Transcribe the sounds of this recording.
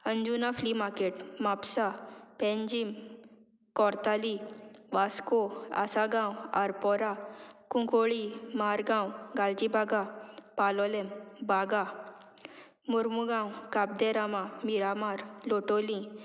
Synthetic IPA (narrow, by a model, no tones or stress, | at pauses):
əɲd͡ʑunaflimakeʈmapsapɛ̃ɲd͡ʑim | kɔɾt̪aliʋaskoa̰saɡãwa̰ɾpɔɾakũkoɭimaɾɡãwɡald͡ʑibaɡapalɔlembaɡa | muɾmuɡãwkab̚d̪ɛɾamamiɾamaɾloʈolĩ